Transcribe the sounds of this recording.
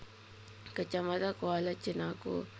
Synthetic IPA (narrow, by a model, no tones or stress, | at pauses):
kət͡ʃamatakoalat͡ʃinakṵ